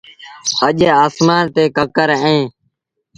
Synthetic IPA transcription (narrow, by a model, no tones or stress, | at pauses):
əʄeːaːsmaːnt̪eːkəkəɾẽː